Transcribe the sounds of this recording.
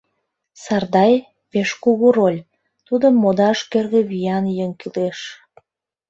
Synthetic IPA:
sɑrd̪ɑj | peʃkuɣuɾolʲ | t̪ud̪əmːod̪ɑʃkerɣĕβijɑnjəŋkileʃ

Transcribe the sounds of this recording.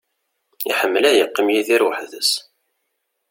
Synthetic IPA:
ḭħəmːəlæjəqːimjiðiɾwəħðə̰s

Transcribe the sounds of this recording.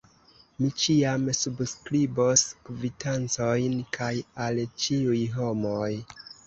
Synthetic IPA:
mit͡ʃiamsubskɾiboskvitʰant͡sojnkʰajalt͡ʃiujɦo̞moj

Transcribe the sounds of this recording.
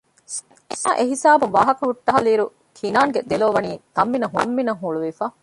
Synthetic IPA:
sɐ̃ʔeɦisaːbuʋaːɦɐkɐɦuʈːɐɦɐliːɾu | kʰinaːŋɡed̪eloːʋɐniːt̪ɐmːinɐɦuɐ̰mːinɐŋɦuɭuʋifaː

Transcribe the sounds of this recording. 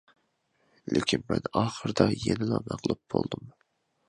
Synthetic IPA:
lɪkʲinmɛnɑːχəɾd̪ɑjenɪlˠɑmæqlˠup̚b̥olˠd̪um

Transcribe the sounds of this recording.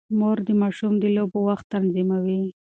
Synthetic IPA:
moɾd̪əmɑʃumd̪əlobowaxt̪ːanzimawi

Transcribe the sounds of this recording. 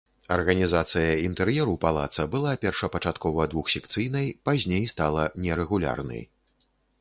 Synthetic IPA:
ɐrɣɐnʲizat̪sɨjɐint̪ɛɾjɛɾupalˠa̰t̪sɐbɨlˠapʲɛrʂɐpɐt͡ʂat̪kɔvɐd̪vuxsʲɛkt̪sɨjn̪ɐjpazʲnʲejst̪alˠɐnʲɛɾɛɣulʲa̰rnɐ̰j

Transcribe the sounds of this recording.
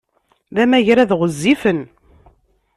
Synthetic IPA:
ðæmæʝɾæðʁəzːifən

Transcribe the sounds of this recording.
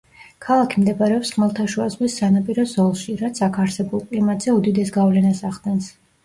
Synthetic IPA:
kʰalˠakʰimd̪ɛbaɾɛɔpsχmɛlˠt̪ʰaʃuazʁwisːanapʼiɾɔzɔlˠʃiɾat̪sʰakʰaɾsɛbulˠkʼlimat̪ʼz̥ɛud̪id̪ɛsɡavlɛnasaʁd̪ɛns

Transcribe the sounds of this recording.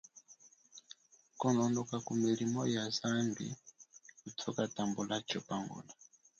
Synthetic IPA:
kɔnɔndɔkakumilimɔjazanbḭkutʰɔkatambɔlat͡ʃɔpaŋɡɔ̰na

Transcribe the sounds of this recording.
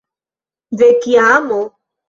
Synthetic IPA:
vekiamo

